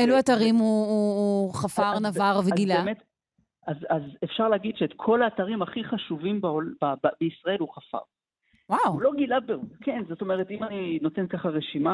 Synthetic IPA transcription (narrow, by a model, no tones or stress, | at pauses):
eluataʁimuuːχafaʁnavaʁveɡilemet | azazefʃaʁleaɡid̪ʃeːt̪kʰo̞laːtaʁimaχiχaʃuvimbaolbabbeisʁae̞luχafa̰ʁ | wawulo̞ɡilabbeʁukenzo̞t̪o̞me̞ʁet̪imanino̞te̞nkaχaʁeʃima